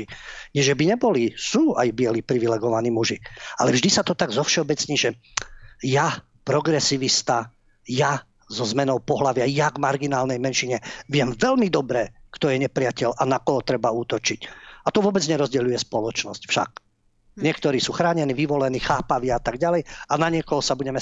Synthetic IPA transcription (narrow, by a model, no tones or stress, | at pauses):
iɲɛʒɛbiɲɛbɔlisuːajbɪɛlipɾiʋilɛɡɔʋaniːmuʒialɛvʒd̪isat̪ɔt̪aɡzɔfʃɛɔbɛt͡sɲiːʒɛ | ja | pɾɔɡɾɛsiʋist̪a | ja | zɔzmɛnɔʊpɔɦlaʋɪajaɡmaɾɡinaːlnɛjmɛnʃiɲɛʋɪɛmvɛlmid̪ɔbɾɛkt̪ɔjɛɲɛpɾɪacɛlʔanakɔɦɔt̪ɾɛbauːt̪ɔt͡ʃicat̪ɔʋʊɔbɛd͡zɲɛɾɔzɟɛʎujɛspɔlɔt͡ʃnɔscfʃa̰ɡ̚ | ɲɪɛkt̪ɔɾiːsuːxɾaːɲɛniːʋiʋɔlɛniːxaːpaʋɪaat̪aɡɟalɛjanaɲɪɛkɔɦɔsabuɟɛmɛ